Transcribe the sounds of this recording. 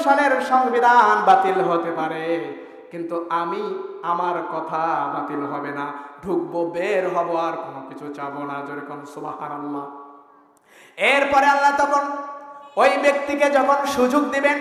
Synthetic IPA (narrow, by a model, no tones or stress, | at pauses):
ʃaleɾʃɔŋbid̪ʱanbat̪ilɦot̪epaɾe | kint̪uʔamiamaɾkɔt̪ʰabat̪ilɦɔbenaɖʱuk̚bobeɾɦɔboaɾkonokit͡ɕʰut͡ɕabonad͡ʑoɾikomsubahaɾalːa | eɾpɔɾealːat̪ɔkʰon | ojbek̚t̪iked͡ʑɔkʰonʃud͡ʑoɡd̪iben